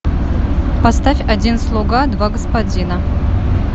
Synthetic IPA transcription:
pɐst̪afʲɐdʲinslˠoɡad̪vaɡəspɐdʲinɐ

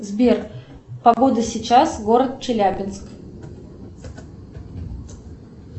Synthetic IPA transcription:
zbʲer | pɐɡo̞d̪əsʲɪt͡ɕasɡo̞ɾət̪̚t͡ɕɪlʲæbʲɪnsk

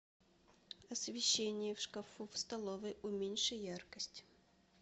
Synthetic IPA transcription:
ɐsvʲɪɕːenʲɪjəfʂkɐfufst̪ɐlˠovʲɪʔʊmʲenʲʂɨjarkəsʲtʲ

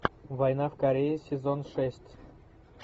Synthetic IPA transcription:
vɐjnafkɐɾʲejɪsʲɪzonʂɛsʲtʲ

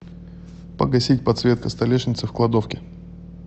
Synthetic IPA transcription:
pə̰ɡɐsʲitʲpɐt̪svʲe̞t̪̚kəst̪ɐlʲeʂnʲɪt̪sɨfklˠɐd̪ofkʲɪ

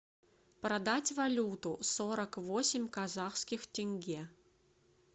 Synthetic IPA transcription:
pɾɐd̪atʲvɐlʲut̪ʊsoɾəkvosʲɪmʲkɐzaxskʲɪxtʲɪnʲɡʲe

